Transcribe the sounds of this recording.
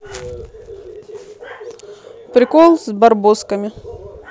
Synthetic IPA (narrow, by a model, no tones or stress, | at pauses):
pɾʲɪkolˠzbɐrboskəmʲɪ